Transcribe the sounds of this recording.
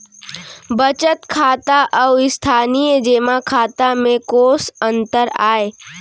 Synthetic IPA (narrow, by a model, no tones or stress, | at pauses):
bət͡ʃət̪kʰaːt̪aʔɔʊɪst̪ʰaːnijd͡ʒeːmakʰaːt̪amẽkoːsə̃nt̪əɾaːe